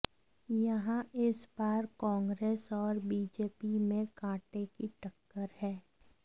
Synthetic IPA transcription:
jɐɦãɪsbaːɾkɔ̃ːŋɡɾeːsɔːɾbiːd͡ʒeːpimẽkãːʈekiʈəkːəɾhɛː

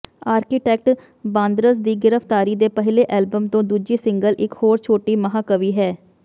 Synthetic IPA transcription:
aːɾkɪʈɛːk̚ʈ | bãːnd̪ɾəsd̪iːɡɪɾəpʰt̪aːɾiːd̪eːpəɦɪleːʔɛːlbəmt̪õːd̪uːd͡ʒiːsɪŋɡəlʔɪkhoːɾt͡ʃʰoːʈiːməɦaːkəʋiːɦɛː

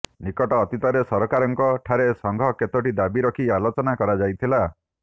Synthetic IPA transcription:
nikɔʈɔːt̪it̪ɔɾesɔɾɔkaɾɔŋkɔʈʰaɾesɔŋɡʱɔket̪oʈid̪abiɾɔkʰialot͡ʃɔnakɔɾad͡ʒajt̪ʰila

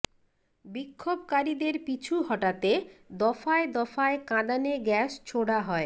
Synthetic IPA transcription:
bikʰːobkaɾid̪eɾpit͡ɕʰuɦɔʈat̪ed̪ɔfaed̪ɔfaekãd̪aneɡɛʃt͡ɕʰoɽaɦɔe

